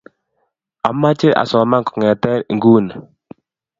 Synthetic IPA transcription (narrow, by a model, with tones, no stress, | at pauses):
a˨mːa˦t͡ʃi˦ʔa̰˨sɔ˨ma˦ŋku̥˨ŋɛ˨t̪ɛ˦˨ŋ˦ɡu˦˨n